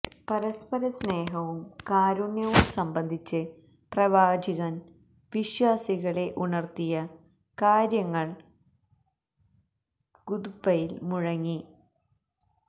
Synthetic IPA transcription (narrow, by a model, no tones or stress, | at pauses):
pɐɾɐspɐɾɐsne̞ːɦɐʋumkaːɾunjɐʋumsɐmbɐnd̪ʱit͡ɕːɨ | prɐʋaːd͡ʑiɣɐn | ʋiɕwaːsiɣɐɭe̞ʔunɐrt̪ijɐ | kaːɾjɐŋːɐɭ | ɡud̪bɐjilmuɻɐŋːi